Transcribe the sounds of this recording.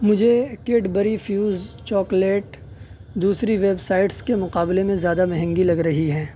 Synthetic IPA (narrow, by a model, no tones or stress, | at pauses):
mʊd͡ʒʱekeːʈbɐɾifjuːzt͡ʃɔːkleːʈ | d̪uːsɾiʋeːbsaːɪʈskemʊqaːblemẽzjaːd̪amɛɦə̃ŋɡilɐɡɾɐɦiɦɛ̃ː